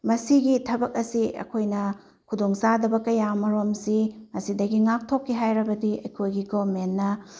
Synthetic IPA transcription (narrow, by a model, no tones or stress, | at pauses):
mɐsiɡitʰɐbɐk̚ɐsiɐ̰kʰojnɐ | kʰudoŋsadɐbɐkɐjamɐɾomsimɐsidɐɡiŋak̚tʰokʰːiɦajɾɐbɐdiɐjkʰojɡiɡomenːɐ